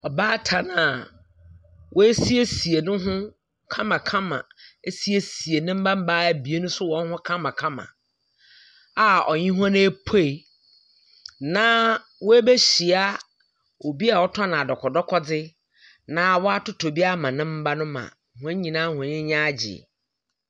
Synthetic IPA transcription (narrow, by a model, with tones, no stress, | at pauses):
ɔ˨baː˦tʰa˨nã˨ | wʔɔ˦e˦si˦e˦si˨e˨nʊ̃˦ɦʊ̃˦ | kʰã˦mã˨kʰã˦mã̰˨e˦si˦e˨si˨e˨nɪ̃˦m̩˦bã˦m̩˦ba˦æ˨bi˨e˦nʊ̃˦sʊ˦wɔ̃˨˦n˦hʊ̃˦kʰã˦mã˨kʰã˦mã̰˨ | a˨ɔ̰˨ɲɪ̃˦ɦũ˦ã˦n˦e˦pʰe˦˨ | nã˦ | wɔ˦e˦be˦ɕi˨a˦ | o˨bi˦a˨wɔ˦tʰa˦nã˨a˨dɔ˨kʰɔ˨dɔ˦kʰɔ˦d͡zɪ˦ | nã˨˦wɔ˦a˦tʊ˦tʰo˨bi˦a˦mã˨nɪ̃˦m̩˦ba˦nʊ̃˦mã̰˨hʊ̃˨˦e˦ɲĩ˨nãː˦hʊ̃˨ɲɪ̃˦ɲã˦d͡ʑɪ̰˨